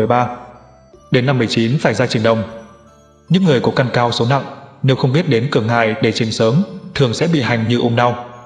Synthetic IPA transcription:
jɓaː˧ | ɗe˨˦nːa˧mːɨ˨˩əjt͡ɕi˨˦nfaː˧˩jzaː˧t͡ɕɨ˨˩ŋɗə˨˩wŋ͡m | ɲɨ̰˧˥ŋːɨ˨˩əjkɔ˨˦ka˧nkaː˧wso˨˦na̰˧˨ŋne˨˦wxə˧wŋ͡mɓi˦˥ət̚ɗe˨˦nkɨ˧˩əŋːa̰ː˧˨jɗe˧˩t͡ɕï˨˩˦ŋsəː˨˦mt̪ʰɨ˨˩əŋsɛ̰˧˥ɓḭ˧˨ha˨˩jŋ̟ɲɨ˧ʔu˧ŋ͡mɗa˧w

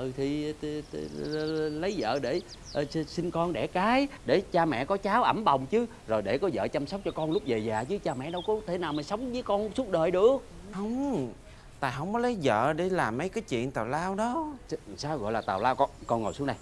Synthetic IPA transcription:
ʔɨ˨˩t̪ʰi˨˩˨lə˨˦jzə̰ː˧˨ɗe˧˩ | ʔsi˧nkɔ˧nɗɛ˧˩kaː˨˦jɗe˧˩t͡ɕaː˧mɛ̰˧˨kɔ˨˦t͡ɕaː˨˦wʔə˧˩mɓə˨˩wŋ͡mt͡ɕɨ˨˦ | zo˨˩jɗe˧˩kɔ˨˦zə̰ː˧˨t͡ɕa˧msə˦˥k͡p̚t͡ɕɔ˧kɔ˧nlʊ˦˥k͡p̚ve˨˩zaː˨˩t͡ɕɨ˨˦t͡ɕaː˧mɛ̰˧˨ɗə˧wkɔ˨˦t̪ʰe˧˩naː˨˩wma˨˩sə˨˦wŋ͡mvəː˨˦jkɔ˧nsu˦˥t̚ɗəː˨˩jɗɨ˨˩ək̚ | hə˧˩wŋ͡m | t̪aː˧jɦə˧˨wŋ͡mkɔ˨˦lə˨˦jzə̰ː˧˨ɗe˧˩laː˨˩mːə˨˦jkaː˨˦jt͡ɕḭ˧˨ənt̪aː˨˩wlaː˧wɗɔ˨˦˧saː˧wɣɔ̰˧˨jlaː˨˩t̪aː˨˩wlaː˧wkɔ˧kɔ˧nŋo˨˩jsu˨˦ŋna˨˩j

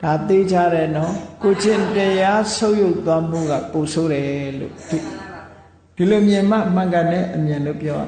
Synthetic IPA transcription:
d̥a˨t̪e˦d͡ʑa˦ɾɛ˨nɔ˦ko˨d͡ʑɪ̃˨ntəja˦sʰõ˦ʊ̃jo˦˨t̪ːwa˦m̥ṵ˦˨ɣa̰˦˨po˨sʰo˨ɾɛ˨lo̰˦˨d | d̥i˨lo˨mjɪ̃˨m̥a̰˦˨m̥ã˨ŋkã˨nɛ̰̃˦˨ʔəmjã˨nlo̰˦˨pjɔ˦ba̰˨

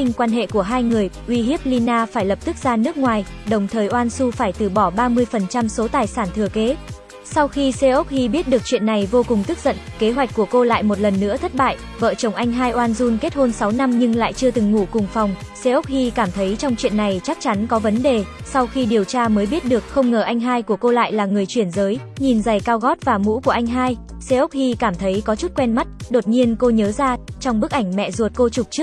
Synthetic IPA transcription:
i˧ŋ̟kwaː˧nɦḛ˧˨ku˧˩əɦaː˧jŋɨ˨˩əjʔwi˧ɦi˦˥əp̚li˧naː˧faː˧˩jlə˨˩p̚t̪ɨ˦˥k̚zaː˧nɨ˦˥ək̚ŋwaː˨˩jɗə˨˩wŋ͡mt̪ʰəː˨˩jʔwaː˧nsu˧faː˧˩jt̪ɨ˨˩ɓɔ˧˩ɓaː˧mɨ˧əjfə˨˩nt͡ɕa˧mso˨˦t̪aː˨˩jsaː˧˩nt̪ʰɨ˨˩əke˨˦ | sa˧wxi˧se˧ʔo˦˥k͡p̚hi˧ɓi˦˥ət̚ɗɨ˨˩ək̚t͡ɕwḭ˧˨ənːa˨˩jvo˧kʊ˨˩ŋ͡mt̪ɨ˦˥k̚z̥ə̰˧˨nke˨˦ɦwa˨˩jk̟̚kːu˧˩əko˧la̰ː˧˨jmo˨˩t̚lə˨˩nːɨ̰˧˥ət̪ʰə˦˥t̚ɓa̰ː˧˨j | və̰ː˧˨t͡ɕə˨˩wŋ͡mʔa˧jŋ̟ɦaː˧jʔwaː˧nzu˧nke˦˥t̚ho˧nsa˨˦wna˧mɲɨ˧ŋla̰ː˧˨jt͡ɕɨ˧ət̪ɨ˨˩ŋːu˧˩kʊ˨˩ŋ͡mfa˨˩wŋ͡msɛ˧ʔə˦˥k͡p̚hi˧kaː˧˩mt̪ʰə˨˦jt͡ɕɔ˧wŋ͡mt͡ɕwḭ˧˨ənːa˨˩jt͡ɕa˦˥k̚t͡ɕa˨˦nkɔ˨˦və˨˦nɗe˨˩ | sa˧wxi˧ɗi˨˩əwt͡ɕaː˧məː˨˦jɓi˦˥ət̚ɗɨ˨˩ək̚xə˧wŋ͡mŋəː˧˩ʔa˧jŋ̟ɦaː˧jku˧˩əko˧la̰ː˧˨jlaː˨˩ŋɨ˨˩əjt͡ɕwi˧˩ənzəː˨˦jɲi˨˩nza˨˩jkaː˧wɣɔ˦˥t̚vaː˨˩mṵ˧˥ku˧˩əʔa˧jŋ̟ɦaː˧jsɛ˧ʔə˦˥k͡p̚hi˧kaː˧˩mt̪ʰə˨˦jkɔ˨˦t͡ɕu˦˥t̚kwɛ˧nma˦˥t̚ɗo˨˩t̚ɲi˧ənko˧ɲəː˨˦zaː˧t͡ɕɔ˧wŋ͡mɓɨ˦˥k̚ʔa˧˩jŋ̟mɛ̰˧˨zu˨˩ət̚ko˧t͡ɕʊ˨˩k͡p̚t͡ɕɨ˦˥k̚

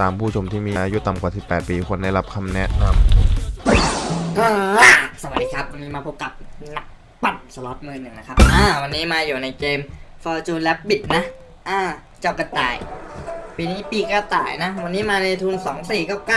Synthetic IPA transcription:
t̪aː˧mpʰuː˥˩t͡ɕʰo˧mt̪ʰiː˥˩miː˧ʔa˧ʔaː˧ju˦˥t̪a˨˩mkwaː˨˩si˨˩pːɛː˨˩t̪̚piː˧kʰo˧nda˥˩jla˦˥p̚kʰa˧mnɛ˦˥ʔna˧m | ʔaː˧˩sa˧˩wa˨˩diː˧kʰa˦˥p̚wa˧nːiː˦˥maː˧pʰo˦˥p̚ka˨˩p̚na˦˥k̚ | pa˨˩t̚sa˧lɔː˦˥t̪̚mɯː˧nɯ˨˩ŋna˦˥kʰa˦˥p̚ʔaː˧˩wa˧nːiː˦˥maː˧juː˨˩na˧jkeː˧mfɔː˧t͡ɕuː˧lɛ˦˥p̚bi˨˩t̪̚na˦˥ʔ | ʔaː˧˩ | t͡ɕa˧˩wka˧˩t̪a̰ː˨˩j | piː˧niː˦˥˩piː˧˩kɔː˥˩t̪a̰ː˨˩jna˦˥wa˧nːiː˦˥maː˧na˧jt̪ʰuː˧nsɔː˩˦ŋsiː˨˩kɔː˥˩wka˥˩

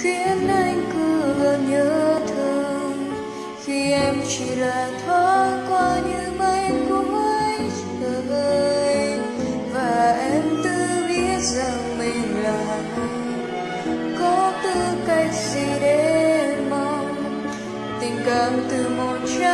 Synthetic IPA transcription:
kwi˧˦ənʔa˧˩jŋkɨ˧˦ɣə˧˩nɲəː˨˦t̪ʰɨ˧əŋ | xi˧ʔɛ˧mt͡ɕi˧˩laː˨˩t̪ʰɔ˧˦ka˧ɲɨ˧˥˦mə˧˦jkʊ˧˩ʔə˧j | ʔəː˧˩ʔəː˧j | vaː˨˩ʔɛ˧mt̪ɨ˧ɓi˧˥ət̚za˨˩ŋmi˨˩ŋ̟laː˨˩ | kɨ˧ | kɔ˨˦t̪ɨ˧˩ka˧˩jk̚si˧˩ɗe˧˦ma˧w | t̪ï˨˩ŋ̟ka˧˩˦mt̪ɨ˨˧˩mo˨˩t̚t͡ɕa˧˦

